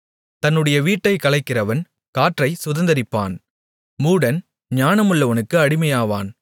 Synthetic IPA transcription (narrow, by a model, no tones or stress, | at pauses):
t̪ɐnːɯɽɐjɐʋiːʈːɐɪkɐlɐɪkːɪrɐʋɐn | kaːʈrɐɪsʊðɐnd̪ɐɾɪpːa̰ːn | muːɽɐn | ɲaːnɐmɯɭːɐʋɐnɯkːɯɐɽɪmɐjaːʋa̰ːn